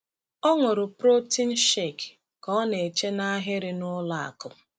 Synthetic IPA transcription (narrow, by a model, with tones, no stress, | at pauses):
ɔ˦ŋʊ˨ɾʊ˨pɾo˦ti˦n̩˦ʃe˦˨k | kɔ˦ne˨e˨t͡ʃe˦na˦ɦɪ˦ɾɪ˨nʊ˦la˨a̰˨kʊ˨